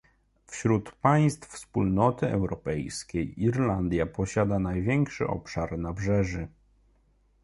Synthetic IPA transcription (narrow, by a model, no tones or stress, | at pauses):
fɕɾut̪paj̃st̪fspulnɔt̪ɘɛ̰wɾɔpɛjskʲejiɾland̪ʲjapɔɕad̪anajvʲjɛŋkʂɘ̰ʔɔ̰pʂaɾnabʐɛʐɘ